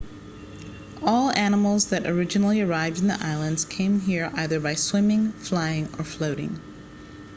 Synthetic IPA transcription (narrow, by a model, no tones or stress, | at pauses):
ɔlˠænəm̩l̩ˠzðɨɾʔə˞ɪd͡ʒɨnl̩ˠiə˞aɪvdn̩ðḭʔaɪlˠə̃ndz̥kʰẽɪ̃mɦiɹʔaɪðə˞baɪswɪ̃mɪ̃ŋflaɪɪ̃ŋə˞floʊɾɪ̰̃ŋ